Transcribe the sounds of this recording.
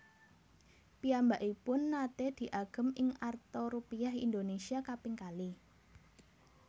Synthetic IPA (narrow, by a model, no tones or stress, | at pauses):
piambaʔipʊnːat̪ed̪̥i̤ʔaɡ̥ə̤mɪŋart̪oɾupiaɦḭnd̪onesiakapɪŋkali